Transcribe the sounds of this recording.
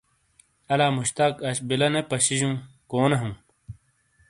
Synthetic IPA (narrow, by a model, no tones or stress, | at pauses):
ɐlaːmuɕt̪akɐɕbilɐnepɐɕiʑũː | koːnɐɦũː